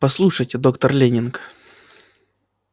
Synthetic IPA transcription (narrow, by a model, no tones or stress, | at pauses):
pɐslˠuʂətʲd̪o̞kt̪ərlʲenʲɪnk